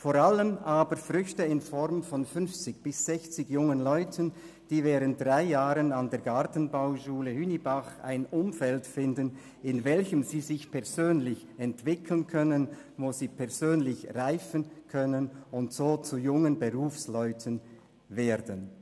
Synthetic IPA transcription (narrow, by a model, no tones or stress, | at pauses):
foːɾaləmʔaːbəɾfʁʏçtəɪnfɔʁmfɔnfʏnft͡sɪçb̥ɪsz̥ɛçt͡sɪɡjʊŋənlɔʏtʰən | d̥iːvɛːʁənt̚d̥ʁaɪjaːʁənandeːɐɡaʁtn̩baʊʃuːləhynibaχa̰ɪnʔʊmfɛltfɪndən | ɪnvɛlçəmziːzɪçpʰɛʁzøːnlɪç | ɛntv̥ɪkʰl̩nkʰœnən | voːziːpʰɛʁzøːnlɪçʁaɪfənkʰœnənʊntz̥oːt͡sujʊŋənbəʁuːfslɔʏtʰən | veːdən